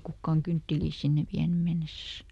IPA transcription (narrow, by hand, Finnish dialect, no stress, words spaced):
kukːɑːŋ kyntːiliːs sinːeʋ ʋiæny menːesæs